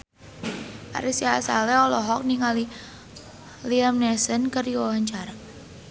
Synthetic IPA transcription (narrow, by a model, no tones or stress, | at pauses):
ʔa̰ɾʔisjasa̰lɛɔlɔɦɔk̚niŋali | liamnɛsənkəriwawaɲt͡ʃaɾa